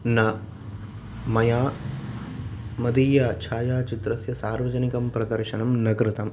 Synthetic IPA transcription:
nɐ | mɐjaː | mɐd̪iːjaːt͡ʃʰaːjaːt͡ʃit̪ɾɐsjɐsaːɾʋɐd͡ʒɐnikɐmpɾɐd̪ɐɾʃɐnɐmnɐkɾɪt̪ɐm

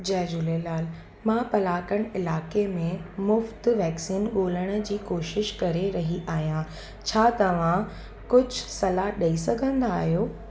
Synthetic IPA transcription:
d͡ʑɐɦd͡ʑulelaːl | mãːpɐlaːkəɽ̃ɪlaːkemẽmʊft̪ʋɛːksiːnɠoːləɽ̃ə̆d͡ʑiːkoːʃɪʃkɐɾeɾɐɦiʔaːɦijã | t͡ɕʰaːt̪ɐʋ̤ã | kʊd͡ʑʱʊsɐlaɗɐisɐɡʱə̃nd̪aːɦijoː

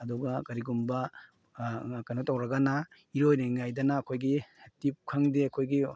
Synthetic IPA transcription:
ɐduɡɐkɐɾiɡumbɐ | kɐjnotɐwɾɐɡɐnɐ | iɾojniŋajdɐnɐːkʰojɡitip̚kʰɐŋdeɐkʰojɡi

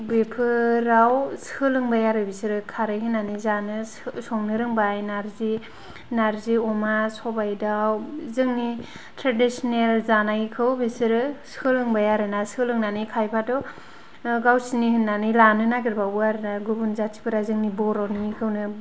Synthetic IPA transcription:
bepʰɯɾawskʰɯlɯŋbajaɾɯbisiɾɯkʰaɾɯjɦɯnːanizanɯ | sɔŋnɯɾɯŋbajnaɾzi | naɾziɔmasɔbajdawzɯŋni | tɾadisɔnelzanaɡikʰɯwbisɯɾɯskʰɯlɯŋbajaɾɯnasɯlɯŋnanɯjkʰajpʰatɔ | ɡawsinihɯnːanɯjlanɯnaɡiɾbauaɾɯnaɡubunzat͡ʃʰi̥pʰɯɾazɯŋnibɔɾɔwnikʰɯwnɯ

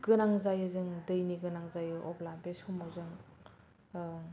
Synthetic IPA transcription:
ɡ̥ɯnaŋzajɯzɯŋdɯjniɡɯnaŋzajɯʔɔpʰlabesumawzɯŋ

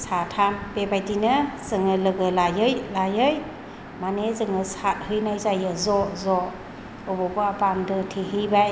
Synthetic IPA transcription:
satʰambebajdinɯz̥ɯŋɯlɯɡɯlajɯjlajɯj | manezɯŋɯsat̚hɯjnajzajɯzɔzɔ | ɔbɔbɯabamdɯtʰehibaj

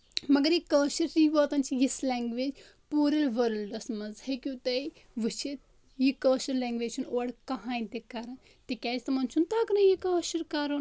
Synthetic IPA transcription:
mɐɡɐɾjikɐlʃɐɾsiːʋoːt̪ɐnt͡ʃʰijislʲɛːŋɡʋeːd͡ʒ | puːɾɐlʋɐɾlɖɐsmɐnzhekʲjũːt̪ɐi | ʋɨt͡ʃʰit̪ | jikɐːʃɐɾlɛːŋɡʋeːd͡ʒt͡ʃʰunoːɽkɐɦãːĩt̪ekaɾɐn | t̪ekʲɛːd͡ʒt̪ɐmɐnt͡ʃʰunt̪aːkɐnɐjikɐːʃɐɾkaːɾun

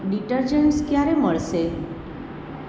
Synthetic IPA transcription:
ɖiʈəɾd͡ʒənskjaɾeməɭʃe

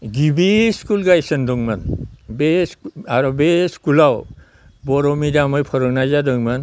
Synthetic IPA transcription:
ɡibiskulɡajsɯndɔŋmanbesaɾɔbeskulaw | bɔɾɔmidamɯjpʰɔɾɔknazadɯŋman

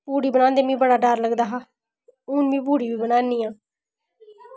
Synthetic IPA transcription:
buːɽiːbənãːnd̪eːmĩːbəɽaːɖaɾləɡd̪aːɦaː | ʊnʋĩːbuːɽiːʋiːbənaːniːãː

